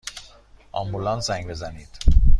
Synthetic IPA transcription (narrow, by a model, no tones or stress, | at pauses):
ʔɒ̰mbulɒnsæŋɡbe̞zæniːd̪̥